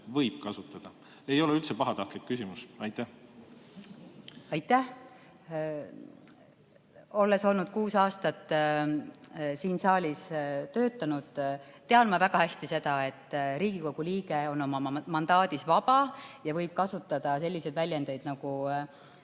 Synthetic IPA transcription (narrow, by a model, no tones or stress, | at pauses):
vɤjb̥̚kɑsut̪ːˑɑd̪̥ɑ | e̞jo̞leylt̪sepɑɦɑt̪ɑht̪likːysʲimusɑjt̪ːˑæh | ɑjt̪ːˑæh | o̞lːe̞so̞lnud̪̥̚kuːsɑːst̪ɑt̪ː | siːnsɑːlʲist̪ø̞ːt̪ːˑɑnud̪̥t̪e̞ɑlmɑvæɡ̥ɑhæsʲt̪ise̞d̪̥ɑe̞t̪ːɾiːɡ̥iko̞ɡ̥uliːɡeo̞no̞mɑɑmɑnd̪̥ɑːd̪̥isvɑb̥ɑjɑvɤ̞jb̥̚kɑsut̪ːˑɑd̪̥ɑse̞lʲːise̞d̪̥vælʲjend̪ejd̪̥nɑɡ̥u